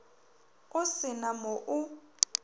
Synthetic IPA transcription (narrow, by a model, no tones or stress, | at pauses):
ʊsɪnamɔʔʊ